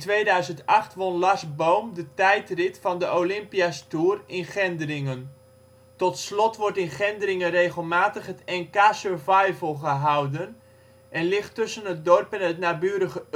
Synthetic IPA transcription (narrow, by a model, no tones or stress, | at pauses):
ntʋejdœɥzəntɑχtʋɔnlɑsbowmdətɛjtrɪtfɑndəʔolɪmpiastuːrɪnχɛndərɪŋən | tɔtslɔtʋɔɹtɪnχɛndəɾɪŋərejχəlˠmaːtəχɦətɛnkaːsøɹvajvəlˠχəɦawdən | ʔɛnlɪχtɵsənɦət̚dɔrpɛnɦətnaːbyːɾəχə